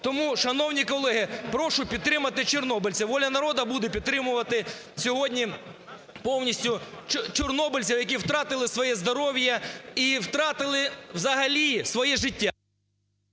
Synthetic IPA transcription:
t̪ɔmuʃɐnɔwnʲikɔlˠɛɦɪpɾɔʃʊpʲid̪̚t̪ɾɪmɐt̪ɪt͡ʃɔrnɔbɪlʲt͡sʲɐʋɔlʲɐnɐɾɔd̪ɐbud̪ɛpʲid̪t̪ːɾɪmʊʋɐt̪ɪ | sʲɔɦɔdʲnʲi | pɔwnʲisʲtʲʊt͡ʃt͡ʃɔrnɔbɪlʲt͡sʲɐwjɐk̬ʲiwt̪ɾɑt̪ɪlˠɪsʋɔjɛzd̪ɔɾɔʋʲjɐiwt̪ɾɑt̪ɪlˠɪwzɐɦɐlʲisʋɔjɛʒɪtʲːa

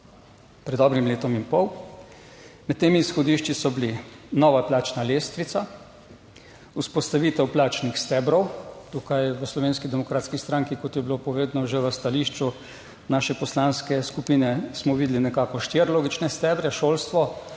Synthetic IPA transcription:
pɾɛd̪ːɔbɾimleːt̪ɔmimpɔw | mɛt̪ːeːmiːsxɔd̪iːʃt͡ʃisɔblinɔːʋaplaːt͡ʃnaleːst̪ʋit̪sa | uspɔst̪aʋiːt̪ɛwplaːt͡ʃnixst̪ɛbɾɔwt̪uːkajʋəslɔʋeːnskid̪ɛmɔkɾaːt̪skist̪ɾaŋkikɔt̪jɛbilopɔʋeːd̪nɔʒeʋəst̪aliːʃt͡ʃu | naːʃɛpɔslanskɛskupiːnɛsmɔʋiːd̪linɛkaːkɔʃt̪eɾloːɡit͡ʃnɛst̪ɛːbɾɛʃoːlst̪ʋɔ

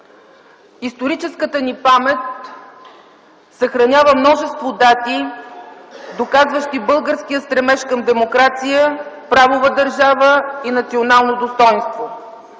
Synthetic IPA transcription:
ist̪oɾit͡ʃɛskət̪ənipamɛt̪̚ | səxɾɐnʲavəmnɔʒɛst̪vod̪at̪i | d̪okazvəʃt̪ibɤlˠɡəɾsk̟iəst̪ɾɛmɛʃkəmd̪ɛmokɾat̪sijəpɾavovəd̪əɾʒavəinɐt̪sionalˠnod̪ost̪ɔjnst̪vo

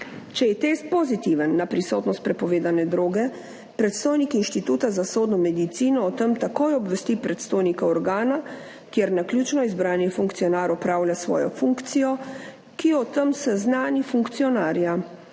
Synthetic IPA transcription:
t͡ʃɛjɛt̪eːst̪̚pɔzit̪iʋənːapɾisot̪nɔst̪̚pɾɛpɔʋeːd̪anɛd̪ɾoːɡɛ | pɾɛt̪st̪oːjnikinʃt̪it̪uːt̪azasoːd̪nɔmɛd̪it̪siːnɔːt̪əmt̪akoːjɔbʋɛst̪ipɾɛt̪st̪oːjnikaɔɾɡaːna | kjeɾnaklʲjut͡ʃnɔizbɾaːnjɛfuŋkt̪ijɔnaːɾɔpɾaːwlʲjʲasʋɔ̰ːjɔ̰fuŋkt̪sijɔ | kiɔt̪əmsɛznaːnifuŋkt̪sijɔnaːɾja

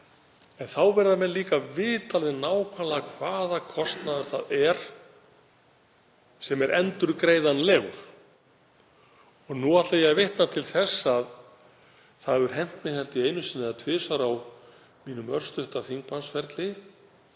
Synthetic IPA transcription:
ɛnθawvɛɾðamɛnliːkavɪːt̪alðɪnaːwkʰvalakʰvaːðakʰɔst̪naðʏɾ̥θaðɛɾ̥ | sɛmɛɾʔɛnt̪ʏɾkɾeːjðanleɣɾ | ɔɣnuat̪laðjɛɣvɪht̪nat̪ʰɪlθɛsːað | θaðvʏɾ̥ɦɛn̥t̪nɪhɛlt̪ɪejnʏsɪnːɪðat̪ʰvɪːsaɾaw | miːnʏmœɾ̥st̪ʏht̪aθiŋkpʰansfɛɾt̪lɪ

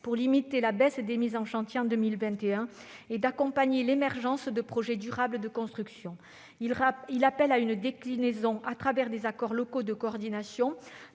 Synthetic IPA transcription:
puʁlimit̪elabɛsd̪emizɑ̃ʃɑ̃t̪jeɑ̃d̪əmilvɛ̃t̪eɛ̃ | ed̪akɔ̃paɲelemɛʁʒɑ̃sd̪əpχɔʒɛd̪yʁabləd̪əkɔ̃st̪χyksjɔ̃ | ilapɛlaynd̪eklinezɔ̃ʔat̪χavɛʁd̪ezakɔʁlɔkod̪əkoɔʁd̪inasjɔ̃

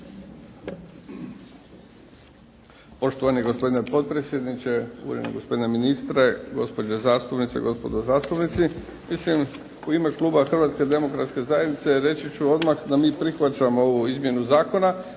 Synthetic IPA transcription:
po̞ʃt̪oʋanieɡo̞spo̞d̪ine̞po̞t̪̚pɾesje̞d̪nit͡ʃe̞ṵɾjenḛɡospo̞d̪ineminist̪ɾeɡo̞spo̞d͡ʑezaːst̪upnit̪sḛɡo̞spo̞d̪ozaːst̪upnit̪si | mislim | uime̞klˠuːbaxr̩ʋaːt̪ske̞d̪e̞mo̞kɾat̪ske̞zaje̞d̪nit̪seɾe̞t͡ʃit͡ɕuo̞d̪maxd̪amiːpɾixʋat͡ʃamo̞ouizmje̞nuzaːko̞na

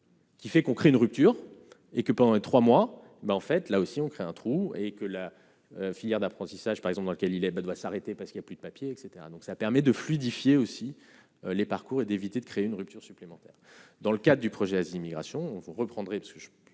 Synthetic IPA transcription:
kʲifɛkɔ̃kχeynʁyp̚t̪yːʁ | ekəpɑ̃d̪ɑ̃let̪χwamwa | baɑ̃fɛt̪laosiɔ̃kχeɛ̃t̪χuekəla | øfiljɛʁd̪apχɑ̃t̪isaʒpaʁɛɡzɑ̃pd̪ɑ̃ləkʲɛlilɛbad̪wasaʁet̪epasəkiljaplyd̪əpapjeːkset̪eʁa̰d̪ɔ̃ksapɛʁmɛd̪əflid̪ifjeosi | ølepaʁkuʁed̪evit̪ed̪əkχeːynʁyp̚t̪yʁsyplemɑ̃t̪ɛ̰ːʁd̪ɑ̃ləkad̪ʁəd̪ypχɔʒɛaziimiɡʁa̰sjɔ̃vuʁəpχɑ̃d̪ʁɛpḁskəʒ

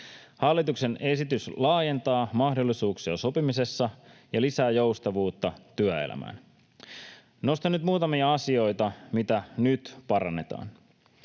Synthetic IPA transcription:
hɑlːit̪ukse̞ne̞sit̪yslɑːje̞nt̪ɑːmɑhdo̞lːisuːksiɑso̞pimise̞sːɑjɑlisæːjo̞wst̪ɑʋuːt̪ːɑt̪yæḛlæ̰mæ̰ːn | no̞st̪ɑnːyt̪muːt̪ɑmiɑɑsio̞jt̪ɑmit̪ænyt̪pɑɾɑnːe̞t̪ɑ̰ːn

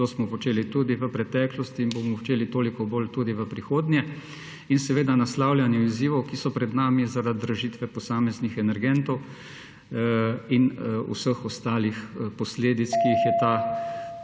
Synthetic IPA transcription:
t̪oːsmɔpɔt͡ʃeːlit̪uːd̪iʋəpɾɛt̪ɛːklɔst̪iːnbomɔɔt͡ʃeːlit̪oːlikɔboːlt̪uːd̪iʋəpɾixoːd̪njɛ | insɛʋeːd̪anaslaːwlʲjanjɛiziːʋɔwkisɔpɾɛd̪naːmizaɾad̪ːɾəʒiːt̪ʋɛpɔsaːmɛznixɛnɛɾɡɛnt̪ɔw | inṵsəxɔst̪aːlixpɔsleːd̪it̪skiixjɛt̪a

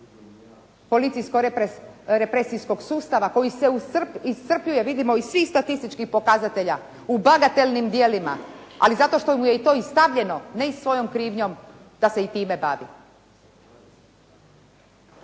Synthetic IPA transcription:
po̞lit̪sijsko | ɾepɾesijsko̞ɡsuːst̪aʋako̞jiseuist̪r̩pʎuje̞ʋid̪imo̞isʋixst̪at̪ist̪it͡ʃkixpo̞kazat̪e̞ʎa | ubaɡat̪e̞lʲnimd̪jelima̰a̰lizat̪o̞ʃt̪o̞muje̞it̪o̞ːist̪aʋʎe̞no̞ne̞isʋo̞jo̞mkɾiːʋɲo̞m | d̪̥ase̞it̪iːme̞ba̰ːʋḭ

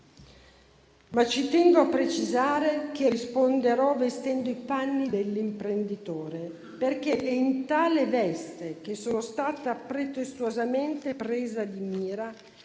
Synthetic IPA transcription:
mat͡ʃit̪ɛŋɡoapːɾet͡ʃizaːɾek̟erispond̪eɾɔvest̪ɛnd̪oipanːid̪elːimpɾend̪it̪oːɾe | perk̟eʔɛint̪aːlevɛst̪ek̟esːoːnost̪aːt̪apɾet̪est̪uozament̪epɾeːzad̪imiːɾa

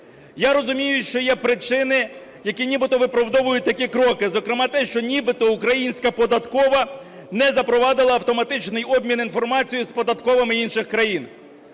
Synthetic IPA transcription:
jaɾɔzʊmʲijʊʃt͡ʃɔjɛpɾɪt͡ʃɪnɪ | jɐkʲinʲibɪt̪ɔʋɪpɾɐʋd̪ɔʋʊjʊt̚ʲt̪ɐkʲikɾɔkɪzɔkɾɪmɑt̪ɛʃt͡ʃɔnʲibɪt̪ɔukɾɐjinʲsʲkɐpɔd̪ɐt̪kɔʋɐ | nɛzɐpɾɔʋɑd̪ɪlˠɐɐwt̪ɔmɐt̪ɪt͡ʃnɪjɔbmʲininfɔrmɑt͡sʲijʊspɔd̪ɐt̪kɔʋɪmɪinʃɪxkɾɐjin

